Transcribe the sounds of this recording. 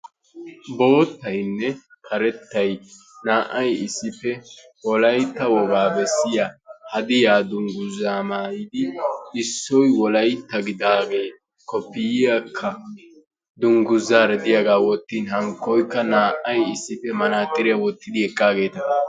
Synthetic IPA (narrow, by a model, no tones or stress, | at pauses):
bo̞ːt̪ːɐjnːɛkʰɐɾɛt̪ːɐj | naːʔɐjɪsːɪpːɛ | wɔlɐjt̪ːɐwɔɡaːbɛsːɪjahɐd̪ɪjaːd̪ʊŋɡʊzːaːmaːjɪd̪ɪɪsːɔjwɔlɐjt̪ːɐɡɪd̪aːɡe̞ː | kɔpːɪjɪjakʰːɐ | d̪ʊŋɡʊzːaːɾɛd̪ɪjɐɡaːwɔt̪ːiːnɦɐŋkːɔjkːɐnaːʔɐjɪsːɪfɛmɐnaːt̪ːɪɾɪjɐwɔt̪ːɪd̪ɪɛkʼːaːɡe̞ːt̪ɐ